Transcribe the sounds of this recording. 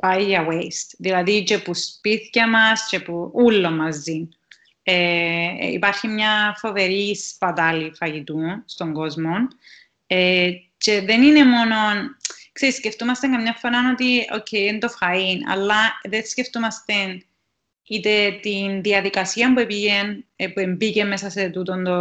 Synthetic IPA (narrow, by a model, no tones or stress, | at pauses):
paiʝɐwejst̪ðilɐðit͡ʃe̞puspiθcɐmɐsce̞puulːo̞mɐzːin | eḭpɐɾçimɲɐfo̞ve̞ɾispɐt̪ɐlifɐʝit̪unst̪o̞ŋɡo̞zmo̞n | e | ce̞ðe̞nine̞mo̞no̞nkseɾisceft̪umɐst̪eŋkɐmɲɐɱfoɾano̞t̪io̰cʰːejend̪o̞fɐinɐ̰lːɐðesceft̪umɐst̪en | it̪et̪inðiɐðikɐsiɐmpue̞piʝenpue̞mbice̞mːesɐset̪ut̪ond̪o